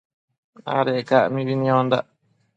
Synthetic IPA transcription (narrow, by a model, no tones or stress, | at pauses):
a̰ɾekaʔmĩβinĩõnd̪a̰ʔ